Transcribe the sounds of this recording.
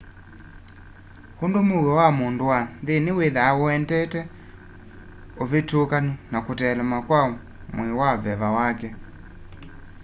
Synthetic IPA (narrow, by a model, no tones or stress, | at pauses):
hundumuɣɔwamunduwanðiniweðaɔɛndɛtɛ | ovitukaninakutɛlɛmakwa | mwiwavɛβawakɛ